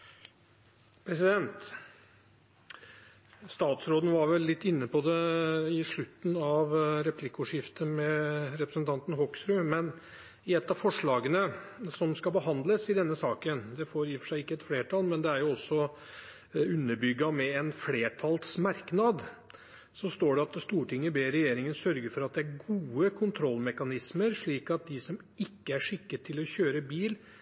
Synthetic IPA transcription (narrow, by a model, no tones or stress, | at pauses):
pʰɾɛsɪd̪ɛnt̪ | st̪ɑːt̪sɾoːd̪n̩ʋɑɾʋɛlːɪt̪ːɪnːəpɔd̪ɛɪʂɭʉt̪ːn̩ɑʋɾɛpʰlɪkːʊʂɪft̪əmɛɾɛpɾəsənt̪ʰɑnt̪n̩ɦɔksɾʉmɛn | ɪɛt̪ːɑfɔʂɭɑːɡənəsɔmskɑbəɦɑnd̪ləsɪd̪ɛnːəsɑːkənd̪ɛfoːɾjifəʂæɪɪkːəɛt̪fleːʈʰɑlmɛnd̪ɛæɾjʊɔsːɔ | ʉnːəɾbʏɡːɑmɛɛnfleːʈʰɑlsmɑɾknɑd̪ | sɔst̪oːɖɛɑt̪st̪uːʈʰɪŋːəbeːɾɛjeːɾɪŋənsœɾɡəfɔɾɑt̪̚d̪ɛæɾɡuːəkʰʊnt̪ʰɾɔlmɛkɑnɪsməɾʂɭiːkɑt̪̚d̪ɪsɔm | ɪkːəæʂɪkːət̪ʰɪlɔçøːɾəbiːl